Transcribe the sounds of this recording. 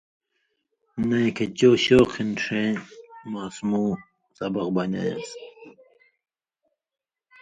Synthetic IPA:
nejkʰet͡ɕoːɕoːqʰinʂẽmaːsmũː | sɐbɐq̚bɐna̰jɐ̰s

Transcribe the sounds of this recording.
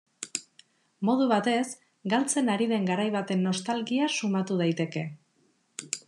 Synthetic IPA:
mo̞ð̞uβ̞at̪e̞s | ɡalt͡se̞naɾið̞e̞ŋɡaɾajβat̪e̞nːo̞st̪alɣiasumat̪uð̞ajt̪e̞ke̞

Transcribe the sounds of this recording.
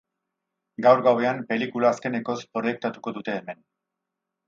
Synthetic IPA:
ɡawɾɣawe̞ampe̞likulaːske̞ne̞ko̞spɾoje̞k̚t̪at̪uko̞ðut̪e̞ːme̞n

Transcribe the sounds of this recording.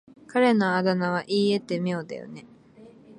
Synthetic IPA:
kaɾe̞no̞ad̪anaβ̞aʔiːe̞t̪ːe̞mijo̞ːd̪a̰jo̰ne̞

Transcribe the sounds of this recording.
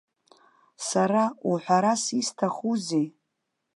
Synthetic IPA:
saɾauħʷᶣaɾasistʰaχuze

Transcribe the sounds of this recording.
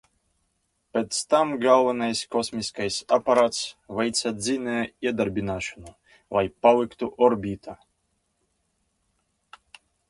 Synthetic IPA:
pɛt̪st̪amɡalˠvanajskɔsmʲiskajsʲapaɾat̪svɛjt̪sad̪zʲineid̪aɾbʲinaʃɨnu | vajpawɪkt̪uʔɔɾbʲit̪ʰa

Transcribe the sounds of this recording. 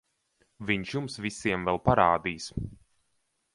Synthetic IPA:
viɲʃjumsvisiɛmvɛlˠpaɾaːd̪iːs

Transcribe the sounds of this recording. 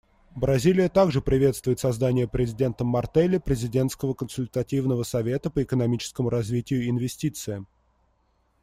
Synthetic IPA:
bɾɐzʲilʲɪjət̪aɡʐɨpɾʲɪvʲe̞t̪st̪vʊɪt̪sɐzd̪anʲɪjəpɾʲɪzʲɪdʲe̞nt̪əmːɐrt̪ɛlʲːɪpɾʲɪzʲɪdʲe̞nt̪skəvəkənsʊlʲt̪ɐtʲivnəvəsɐvʲe̞t̪əpəɪkənɐmʲit͡ɕɪ̥skəmʊɾɐzvʲitʲɪjʊɪnvʲɪsʲtʲit̪sɨɪ

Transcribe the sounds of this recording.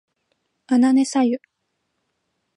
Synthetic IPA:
anane̞sajɯ

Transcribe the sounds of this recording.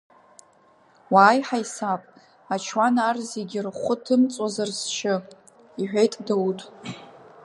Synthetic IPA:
waːjħajsapʼ | at͡ʃʰwanarzeɡʲɪrχʷʊtʰɨmt͡sʼazarst͡ʃʰɪ | iħʷᶣejtʼdowtʼ

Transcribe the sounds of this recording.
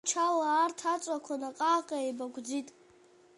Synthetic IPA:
t͡ʃʰawaːrtʰat͡sʷʼakʷʰanaqʼaqʼaejbaɡʷʰʼd͡zitʼ

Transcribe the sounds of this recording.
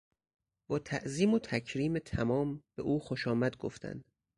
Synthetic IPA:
b̥ɒːt̪ʰæʔziːmot̪ʰækʰɾiːmet̪ʰæmɒːmbeʔuːxoʃɒːmæd̪ɡo̰ft̪ʰæ̰nd̪̥

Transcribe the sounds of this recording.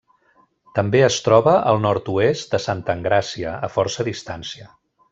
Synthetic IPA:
t̪əmbeəst̪ɾɔβəʔəlˠnɔɾt̪uest̪d̪əsant̪əŋɡɾasiəəfɔɾsəðist̪ansiə

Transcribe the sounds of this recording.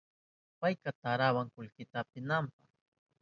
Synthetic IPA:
pajkat̪aɾawaŋkʊlkɪt̪aːpɪnampaχ

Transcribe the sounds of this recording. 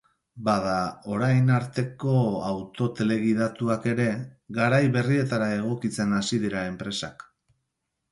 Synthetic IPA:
baðao̞ɾajnaɾt̪e̞ko̞awt̪o̞t̪e̞le̞ɣiðat̪uake̞ɾe̞ɡaɾajβe̞rie̞t̪aɾae̞ɣ̞o̞kit͡se̞nasiðiɾae̞mpɾe̞sa̰k

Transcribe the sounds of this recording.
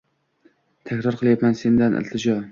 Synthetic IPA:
t̪ʰakʲɾɒɾqʰɨlˠjat̪manse̞nd̪anʔɪ̰lt̪ʰɪd͡ʒɒ

